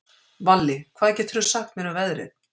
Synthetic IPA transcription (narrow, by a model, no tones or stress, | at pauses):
valːɪkʰv̥aðɛcɛːt̪ʰʏɾɾsaht̪mɪːnavɛðɾɪ̰ð